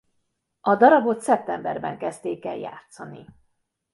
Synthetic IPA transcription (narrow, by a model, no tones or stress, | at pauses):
ɒd̪ɒɾɒbo̞t̪sɛp̚t̪ɛmbɛrbɛ̰ŋkɛst̪eːkɛlja̰ːt̪sɒnḭ